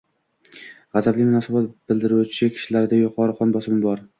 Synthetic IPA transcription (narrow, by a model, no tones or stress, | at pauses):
ʁɑzablɪmʊnɒsabɒt̪̚b̥ɪld̪ɪɾut͡ʃʰɪkʲʰɪ̥ʃɪlaɾɪd̪ajʊqʰɒɾɨqɒnbɒsɪmbɒɾ